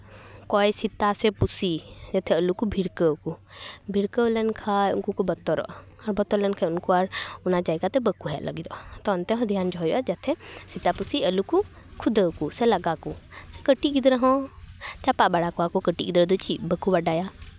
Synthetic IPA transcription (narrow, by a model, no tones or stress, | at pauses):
kɔɛsit̪asɛpusid͡ʒat̪ʰɛəlukubʱiɾkəwkubʱiɾkəwlɛnkʰajṵnkukɔbət̪ɔɾɔ̰ʔ | ɔɾbɔt̪ɔɾlɛnkʰajunkuaɾunad͡ʒajɡat̪ɛbəkuɦɛʔlʔə̰ɡid̪ɔʔt̪ɔnt̪ɛɦɔ̃d̪ʱijand͡ʒɔɦjɔʔad͡ʒat̪ʰɛsit̪apusiəluku | kʰud̪əkusɛlaɡakusɛkəʈiʔɡid̪ɾəɦɔ̃t͡ʃapaʔbaɽakɔakɔkəʈiʔɡid̪ɾəd̪ɔt͡ʃibəkubaɖaja